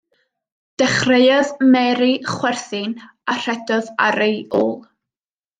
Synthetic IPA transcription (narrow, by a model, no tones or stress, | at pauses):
d̥ɛχrejaðmɛɾiχwɛrθɨn | ar̥ɛdɔðaɾejoːlˠ